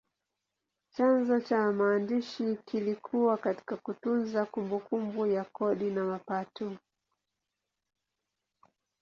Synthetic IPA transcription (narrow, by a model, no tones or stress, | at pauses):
t͡ʃanzɔt͡ʃamaːndiʃikilikʰuwakati̥kakutunzakumbukumbujakɔɗinamapatɔ